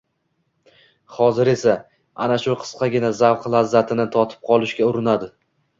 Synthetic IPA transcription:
χɒzɪɾe̞sa | a̰naʃʊqʰɨ̥sqɑɡʲɪnazawqlazːat̪ʰɪnɪt̪ʰɒt̪ʰɪ̥p̚qʰɒlˠɪʃɡʲaʊɾɪnad̪ɪ

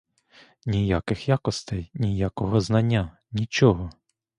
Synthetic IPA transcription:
nʲijakɪxjakɔst̪ɛjnʲijakɔɦɔznɐnʲːa | nʲit͡ʃɔɦɔ

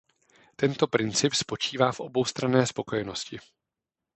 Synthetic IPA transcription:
t̪ɛnt̪o̞pɾɪnt͡sɪpspo̞t͡ʃiːvaːfʔo̞bo̞wst̪ɾanɛːspo̞ko̞jɛno̞scɪ

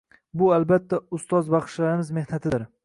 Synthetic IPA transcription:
bʊalbat̪ʰːaʊst̪ɒzbɑχʃlaɾɪmɪzme̞hnat̪ʰɪd̪ɪɾ

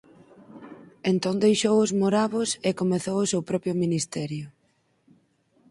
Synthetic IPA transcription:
ent̪oŋd̪ejʃowʊzmoɾaβʊsekomeθowʊsewpɾɔpjʊminist̪ɛɾjʊ

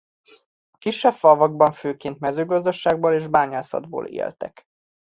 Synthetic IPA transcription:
ɒkiʃːɛbfɒvɒɡbɒɱføːkeːnt̪mɛzøːɡɒzd̪ɒʃaːɡboːleːʒbaːɲɒlsɒ̰d̪̚bo̰ːlḛːlt̪ɛ̰k

